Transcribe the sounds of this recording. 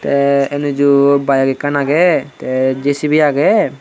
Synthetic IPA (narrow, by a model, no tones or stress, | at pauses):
t̪ɛɛnud͡ʒubajaɡɛkanaɡɛt̪ɛd͡ʒesibijaɡɛ